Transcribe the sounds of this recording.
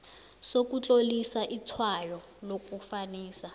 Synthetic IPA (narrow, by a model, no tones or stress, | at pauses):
sok̬ut͡ɬʼolisaʔit͡sʰwajɔlokufaniːsa